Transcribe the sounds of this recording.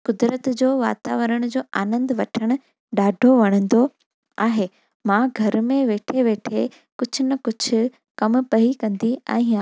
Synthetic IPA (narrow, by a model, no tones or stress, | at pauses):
kʊd̪ɾət̪d͡ʑoːʋa̰ːt̪a̰ːʋəɾəɽ̃ʊd͡ʑoːʔaːnə̃nd̪ʋɐʈʰəɽ̃ʊ̆ | ɗaːɖʱoʋɐɽ̃ə̃nd̪o | aːɦeː | mãɡʱɐɾmẽʋeːʈʰeʋeːʈʰe | kʊd͡ʑʱʊnɐkʊd͡ʑʱʊ̆ | kɐmpɐikɐ̃nd̪iɛ̰̃ː